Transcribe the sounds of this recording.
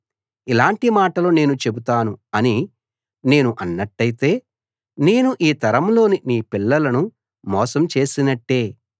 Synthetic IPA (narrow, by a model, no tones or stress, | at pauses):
ilaːɳʈimaːʈɐloːne̞ːnut͡ʃe̞but̪aːnuɐni | ne̞ːnuʔɐnːɐʈːɐjit̪e̞ː | ne̞ːnuʔiːt̪ɐɾɐmlo̞ːniniːpilːɐlɐnu | mɔːsɐmt͡ʃe̞ːsinɐʈːe̞ː